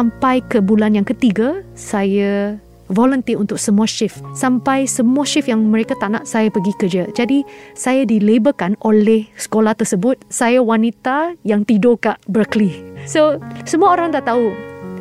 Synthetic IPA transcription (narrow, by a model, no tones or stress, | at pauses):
ampajkəbulanjaŋkət̪iɡasaja | volənt̪iunt̪ʊk̚səmũaʃɪfsampajsəmuaʃɪfjaŋməɾekat̪ana̰ʔsajapəɡikərd͡ʒad͡ʒadisajadilebəkanolɛhsə̥kolaht̪ərsəbʊt̪̚sajawanit̪ajaŋt̪idokaʔbɾəklisosəmuaoɾaŋd̪aʔt̪au